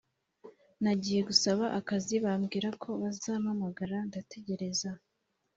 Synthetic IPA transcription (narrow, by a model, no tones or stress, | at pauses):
naɟiːje̞ɡusaβaʔakaziβamɡiːɾakʰo̞βazaːmamaɡaɾandate̞ɟe̞ɾe̞za